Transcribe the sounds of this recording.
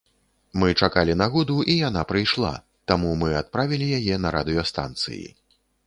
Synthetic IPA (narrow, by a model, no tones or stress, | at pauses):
mɨt͡ʂakalʲinaɣɔd̪uʔijan̪apɾɨjʂlˠa̰ | t̪amumɨat̪̚pɾavʲilʲijajɛnɐɾad̪ɨjɐst̪a̰nt̪sɨ̰jḭ